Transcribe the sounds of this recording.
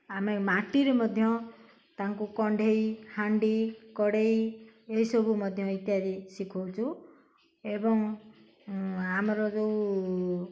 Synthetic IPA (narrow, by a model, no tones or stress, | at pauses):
amemaʈiɾemɔd̪ʱjɔ | t̪aŋkukɔɳɖʱejhaɳɖikɔɽejeisɔbʱumɔd̪ʱjɔit̪jaɾisikʰɔwt͡ʃʰu | ebɔŋ | amɔɾɔd͡ʒeũ